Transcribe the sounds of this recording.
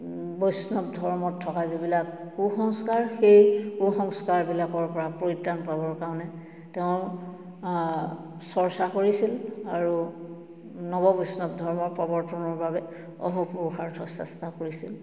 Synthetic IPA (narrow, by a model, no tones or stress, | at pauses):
bɔjsnɔp̚dʱɔɹmɔtʰːɔkazibilakːuxɔŋskaɹxejkuxɔŋskaɹbilakɔɹpɔɹapɹoɹitːanpabɔɹkaɔnɛ | teʊ̃ | sɔɹsakoɹisilaɹu | nɔbɔbɔjsnɔbdʱɔɹmɔɹpɔbɔɹtʰɔnɔɹbabɛ | ɔ̰ɦɔpuɹuxaɹtʰɔsɛ̰stakoɹisil